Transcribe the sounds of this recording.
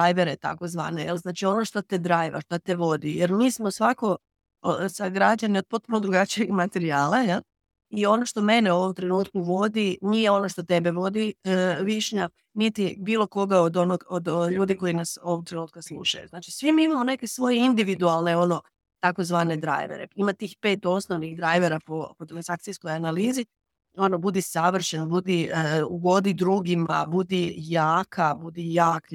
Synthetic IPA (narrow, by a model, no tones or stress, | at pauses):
d̪ajʋeɾet̪a̰kozʋa̰ːnejelznaːt͡ʃio̞no̞ʃt̪ot̪ed̪ɾajʋa̰ʃt̪at̪eʋo̞d̪ijeɾmiːsmo̞sʋako̞ | saɡɾad͡ʑaniod̪̚po̞t̪̚punod̪ɾuɡat͡ʃieɡmat̪e̞ɾiaːlˠajel | io̞no̞ʃt̪o̞me̞neo̞ʋo̞mt̪ɾe̞nuːt̪kuʋo̞d̪inije̞o̞noʃt̪o̞t̪ebeʋod̪iʋiʃɲa | nit̪ibiːlˠo̞ko̞ɡaod̪o̞noɡod̪ʎuːd̪iko̞jinaso̞ʋok̚t̪ɾenuːt̪̚kaslˠṵʃa̰jṵznaːt͡ʃi̥sʋimiimamone̞kesʋo̞jeind̪iʋid̪ualˠne̞o̞no̞ | t̪ako̞zʋaːne̞d̪ɾa̰ːjʋḛɾḛimat̪iːxpe̞ːt̪o̞snoʋnixd̪ɾaːjʋeɾapopot̪ɾansakt̪sijskojanaliːzi | o̞nobud̪isaʋr̩ʃenbud̪iʋo̞d̪id̪ɾuɡima̰bud̪ijaːkʰabud̪ijaːk